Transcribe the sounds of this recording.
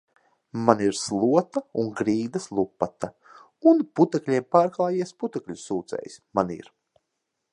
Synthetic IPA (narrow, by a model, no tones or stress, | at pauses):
maniɾslˠuɔt̪auŋɡɾiːd̪ɐslˠupːat̪a | unput̪ɛklʲiɛmpaːɾklˠaːjiɛsput̪ɛklʲusuːt̪sɛ̰jsʲmanḭɾ